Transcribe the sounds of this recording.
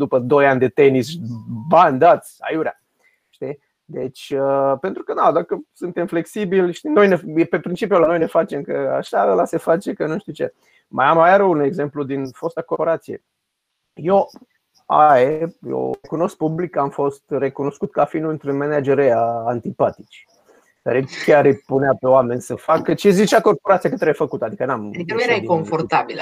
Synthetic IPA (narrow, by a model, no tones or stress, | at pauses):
d̪upəd̪o̞janʲd̪e̞t̪e̞nisband̪at̪sʲa̰juɾʲa̰ | ʃt̪i | d̪e̞t͡ʃʲəpe̞nt̪ɾukənad̪akəsunt̪e̞mfle̞ksibilʲʃt̪ino̞jnejepepɾint͡ʃipjulano̞jnefat͡ʃe̞mkəa̰ʃaəlase̞fat͡ʃe̞kənunʃt̪it͡ʃe̞̰ | ma̰jamajaɾəune̞ɡze̞mplud̪info̞st̪akooɾat̪sijḛ | jo | a̰ejo̰ekuno̞sk̚publikːamfo̞st̪re̞kuno̞skut̪̚kafinuɨnt̪ɾunmenad͡ʒeɾeaːnt̪ipat̪i̥t͡ʃ | kaɾekʲaɾɨjpuneape̞oame̞nʲsəfakət͡ʃezit͡ʃako̞rpo̞ɾat̪sijakət̪ɾeefəkut̪ad̪ikənamikəneɾakoɱfort̪abil